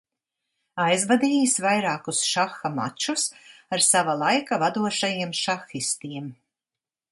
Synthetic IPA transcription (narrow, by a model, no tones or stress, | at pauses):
ajzvad̪iːjisvajɾɑːkusʃaxːama̰t͡ʃusaɾsavalˠajkavad̪uɔʃajiɛmʃaxist̪iɛm